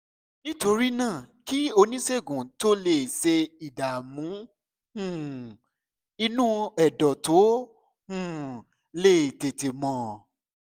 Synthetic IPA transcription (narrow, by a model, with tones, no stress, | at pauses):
nĩ˦to˧ɾi˦nãː˦˨ki˦o˧nĩ˦se˦˨ɡũ˨to˦le˨se˧i˨da˨mũ˨˦ | hũ˦˨ | i˧nũ˦ɛ˨dɔ˨to˨˦ | hũ˦˨ | le˦˨te˨te˨mɔ̃˨˦˨